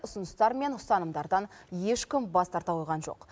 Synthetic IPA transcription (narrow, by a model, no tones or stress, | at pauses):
ʊsənəst̪ɑɾme̞nʊst̪ɑnəmd̪ɑɾd̪ɑnje̞ʃkʲɪmbɑst̪ʰɑɾt̪ɑojʁɑnʒo̞̰q